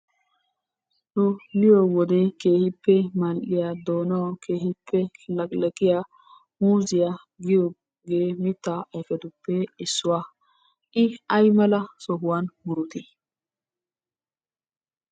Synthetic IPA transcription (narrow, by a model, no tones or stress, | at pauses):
nʊmɪjowɔd̪ɛke̞ːhɪpːɛmɐlʔɪjad̪oːnɐwke̞ːhɪpːɛlɐkʼlɐɡɪja | muːzɪja | ɡɪjo | ɡeːmɪt̪ːaɐjfɛd̪ʊpːɛɪsːʊwa | ʔɪɐjmɐlɐsɔɦʊwanmʊɾʊt̪ɪ